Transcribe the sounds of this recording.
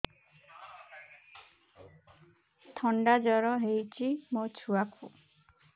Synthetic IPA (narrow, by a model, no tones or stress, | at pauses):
t̪ʰɔɳɖad͡ʒɔɾɔɦejt͡ʃʰimot͡ʃʰuakʰu